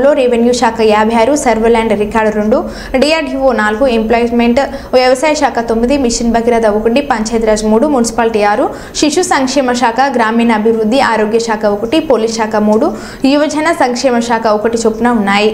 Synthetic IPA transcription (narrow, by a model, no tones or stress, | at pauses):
lo̞ːɾeʋenjuʃaːkʰajaːbʱɐjaːɾusɐɾʋɐɾlaːɳɖɾikaːɾɖɾuɳɖu | ɖijaːɾɖuʋoːnaːluɡuemplɔːjmeɳʈ | ʋjɐʋɐsaːjɐʃaːkʰɐt̪omːid̪imiʂinbɐɡiɾad̪ɐʋukuɳɖipɐɲt͡ʃɐjt̪ɾaːd͡ʒmuːɽumunisi̥paːlʈijaːɾu | ʃiʂusɐŋkʂɛːmɐʃaːkʰɐɡɾaːmiːnɐɐbʱiʋɾud̪ʱːiaːɾoːɡjɐʃaːkʰɐokuʈipoːlisʃaːkʰɐmuːɽu | iʋɐd͡ʒɐnɐsɐŋkʂɛːmɐʃaːkʰɐɔkɐʈit͡ʃopːunaunːaːji